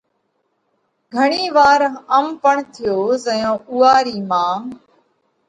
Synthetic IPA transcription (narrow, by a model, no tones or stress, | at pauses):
ɡʱəɳiːʋaːɾəmpəɳt̪ʰɪjoːzəjõːʔuːaːɾiːmãː